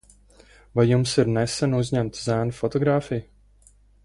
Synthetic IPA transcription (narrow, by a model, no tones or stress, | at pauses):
vajːumsiɾnɛsɛnuzʲɲæmt̪zæːnufɔt̪ɔɡɾaːfij